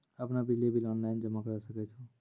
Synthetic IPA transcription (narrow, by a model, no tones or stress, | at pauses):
əpnabilebʱilɔːnlaːɪnd͡ʒəmakəɾsəket͡ʃʰu